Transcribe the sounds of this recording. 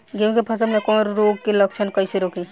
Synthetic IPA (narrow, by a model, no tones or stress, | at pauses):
ɡẽkepʰɐsəmnekɔ̃ːɾɾoːɡkelɐkʃʰənkəiseɾoːki